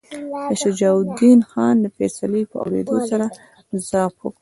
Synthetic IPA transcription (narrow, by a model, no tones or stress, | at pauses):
d̪əʃad͡ʒɑwʊd̪inxɑnd̪əfɛsaləpəa̰wɾḛd̪osaɾa | zɑpwo̰kɽ